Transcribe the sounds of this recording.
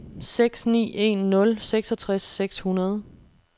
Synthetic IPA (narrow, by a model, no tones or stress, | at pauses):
seɡ̥snḭːʔe̝̰nːɔ̽lseɡ̥sɒt͡sʰʁasːeɡ̥shunɐð̞ˠ